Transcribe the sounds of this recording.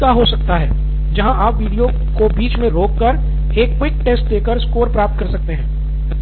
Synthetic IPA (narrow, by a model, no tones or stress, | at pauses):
aɦosɐk̚t̪aɦɛː | d͡ʒɐɦãʔaːpʋiːɖijo | kobiːt͡ʃmẽɾoːkːəɾ | eːkːwɪk̚ʈeːsʈ̚d̪eːkəɾskoːɾpɾaːp̚t̪̚kɐɾsɐk̚t̪eɦɛ̃ː